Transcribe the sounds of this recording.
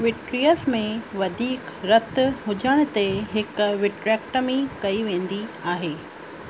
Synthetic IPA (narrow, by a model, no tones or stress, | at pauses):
ʋɪʈɾijəsmẽʋɐd̪ʱiːkɾɐt̪ɦʊd͡ʑəɽ̃t̪eɦɪkʊʋɪʈɾɛːk̚ʈəmẽkɐiʋẽːn̆d̪iaːɦeː